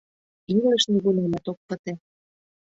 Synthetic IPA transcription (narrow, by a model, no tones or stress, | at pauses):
iŋɡlə̆ʃniɣulemæt̪ok̚pə̆t̪e